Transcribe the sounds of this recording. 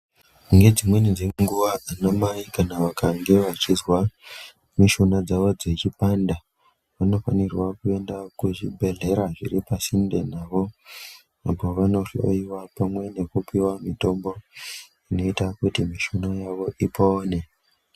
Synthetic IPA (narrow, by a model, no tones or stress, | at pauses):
ŋɡe̞d͡zimwe̞nid͡zeeŋɡuʋaanamaikanaʋakaŋɡe̞ʋat͡ʃizwa | miʃonad͡zaʋo̞d͡ze̞t͡ʃipanda | ʋano̞fanirwakue̞ndakut͡ʃḭbʱe̞ɮe̞ɾaʐḭɾipasindḛnaːʋo̞ | apo̞ʋano̞ro̰iwapamwe̞ne̞kupiwamito̞mbo̞ | ino̞itakutimiʃonajaʋo̞ʔipoːne̞